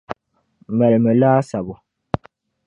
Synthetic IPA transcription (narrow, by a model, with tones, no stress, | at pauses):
vɛ˨lmə˨laː˦sa˨bɔ˨